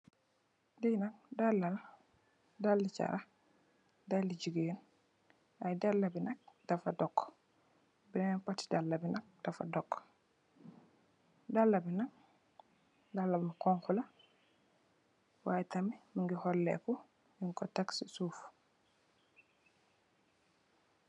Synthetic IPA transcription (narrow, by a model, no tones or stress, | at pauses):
dinakdalːal | dalːit͡ʃa̰ɾa | dalːid͡ʒiɡijun | ʔajdalːabinak̚d̥afadɔkː | binɛnpati̥dalːabinak̚d̥afa̰dɔkː | dalːabinak̚ | dalːabikɔŋxula | wajtamimiŋɡihɔlːɛ̰kɔ | jiŋkɔtaksisuf